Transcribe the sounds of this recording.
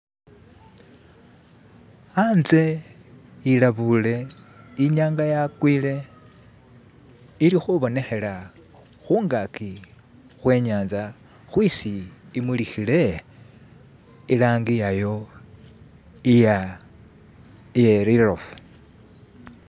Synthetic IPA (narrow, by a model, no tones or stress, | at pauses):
anze̞ | ilaβule̞ | iɲaːŋɡajakwiːle̞ | iɾixuβo̞ne̞xe̞la | xuːŋɡaki | xwe̞ːɲaːnza | xwisiːmwilixile̞ | ilaːŋɡijajo̞ | ija | jeɾirofu̥